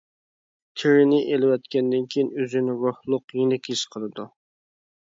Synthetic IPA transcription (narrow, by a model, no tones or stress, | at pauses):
t̪ʰɪɾɪnɪʔelɪwɛt̪kʲɛnd̪ɪnkʲʰijinøzɪnɪɾʊhlˠʊqjenɪkʲʰiʃqʰəlˠɨd̪u